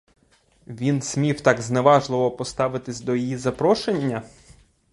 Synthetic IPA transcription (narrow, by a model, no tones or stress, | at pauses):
ʋʲinsʲmʲiwt̪ɑɡzneʋɑʒlˠɪʋɔpɔst̪ɑʋɪt̪ɪsʲd̪ɔjijizɐpɾɔʃenʲːɐ